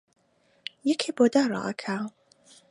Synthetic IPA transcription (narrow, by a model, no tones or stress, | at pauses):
jɛkʰeboːd̪aːɾˤɑ̰ːʔɐkʰa